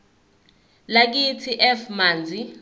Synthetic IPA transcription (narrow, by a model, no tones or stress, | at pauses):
lak̬itʰiʔɛfmaːnd͡zʱi